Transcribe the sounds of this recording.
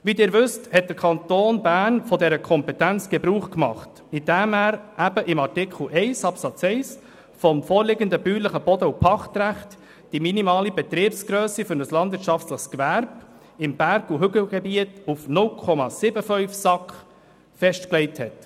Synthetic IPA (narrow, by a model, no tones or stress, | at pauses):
ʋidɪːɾʋʏsthɛt̚d̥əɾkʰɑnt̪oːnbæːɾnfɔdɛɾəkʰɔmpɛtænt͡sɡ̥ɛbɾuːχkmɑ̰χt | id̥æːmæːɾʔæb̥əʔɪmɑɾtɪkʰl̩ʔɛɪsɑpsɑt͡sɛɪs | fɔmfɔːɾlɪɡəndəbyːləχəb̥ɔdəupʰɑχtɾæχt | d̥iminimɑːlibɛt̪ɾiːəpsɡ̥ɾøːsifʏɾnəslɑnd̪vɪːɾtt͡ʃɑftləχskʋæɾb̥ | ɪmb̥æɾɡ̥uɦʏɡəɡ̥ɛbiətufnʊlkʰɔmɑsɪbəfœʏfsɑkχ | fɛʃtklɛɪthɛt